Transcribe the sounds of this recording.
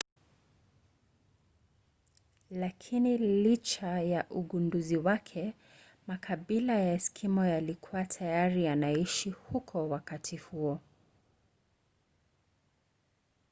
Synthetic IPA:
lakʰinilit͡ʃajaʔuɠunduziwakʰɛ | makʰaɓilajaskʰimɔjalikʰuwatʰajaɾijanaiʃihukʰɔwakatʰihuɔ

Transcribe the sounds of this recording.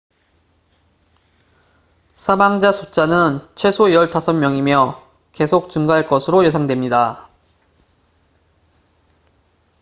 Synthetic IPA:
sʰamaŋd͡ʑasʰut͡ɕ͈anɯnt͡ɕʰwe̞sʰojʌɭtʰasʰʌnmjʌŋimjʌ | ke̞sʰok̚t͡ɕɯŋɡaɦaɭk͈ʌsʰɯɾoje̞sʰaŋdwe̞mɲida

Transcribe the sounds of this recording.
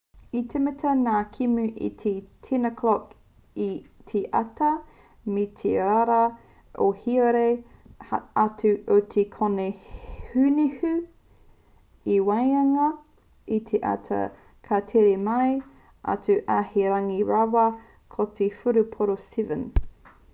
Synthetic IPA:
it̪ʰemɛtʰɐnaːkʰimʉʔḭt̪ʰetʰinəkʰlɔk | it̪ʰeʔatɐ | met̪ʰeaɾɐ | ʔo̰hiəɾe | atʉʔotʰekʰonehʉnihʉ | iwɐjɐŋɐ | it̪ʰeʔa̰tʰɐ̰ | kʰɐtʰeɾemɐj | a̰tʰuʔaheɾɐŋiɾawɐ | kʰotʰefuɾupʰoɾosivən

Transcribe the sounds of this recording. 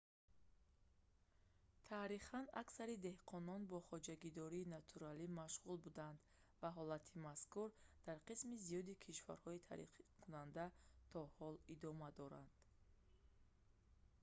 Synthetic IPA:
t̪ʰaɾiχanaksaɾid̪e̞hqʰɔnɔnbɔχɔd͡ʒaɡid̪ɔɾiːnat̪ʰuɾalimaʃʁulbud̪and̪ | vaɦɔlat̪ʰimaskuɾd̪̥aɾqismizijɔd̪ikʰiʃva̰ɾhɔit̪ʰa̰ɾḭχkʰunand̪at̪ʰɔhɔlid̪ɔmad̪ɔɾa̰nd̪̥

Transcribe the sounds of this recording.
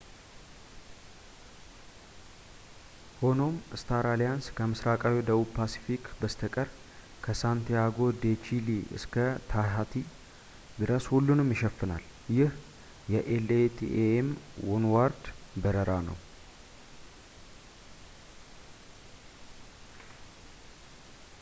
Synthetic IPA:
ho̞no̞mɨst̪ʰaɾalijanskʰəmɨsɾakʼawid̪əβubpʰasi̥fikbəst̪ʰəkʼəɾ | kʰəsant̪ʰijaɡo̞d̪et͡ʃiliɨ̰skʰət̪ʰaɦat̪ʰi | d̪ɨɾəshulːunɨmjɪʃəfːɨna̰l | jɪh | jɛʔelet̪ʰḭeemwunwaɾd̪bəɾəɾanə̰w

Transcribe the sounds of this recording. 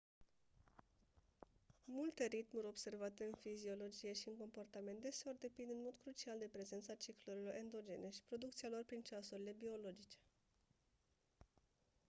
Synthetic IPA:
mult̪e̞ɾit̪muɾʲo̞bse̞rvat̪e̞ɨnfizio̞lo̞d͡ʒije̞ʃiɨŋko̞mpo̞rt̪ament̪̚d̪e̞seo̞rd̪e̞pind̪ɨnmo̞d̪kɾut͡ʃiald̪e̞pɾe̞ze̞nt̪sat͡ʃikluɾilo̞ɾʔe̞nd̪o̞d͡ʒe̞̰ne̞ʃi̥pɾo̞d̪uk̚t̪sialo̞rpɾint͡ʃasuɾile̞bio̞lo̞d͡ʒit͡ʃe̞̥

